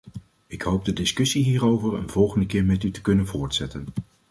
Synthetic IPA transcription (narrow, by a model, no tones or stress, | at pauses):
ɪkɦowb̚dədɪskɵsiɦiːrowvəɹə̰nv̥ɔlˠχəndəkɪːɹmɛtytə̥kɵnənvʊːɹtsɛtən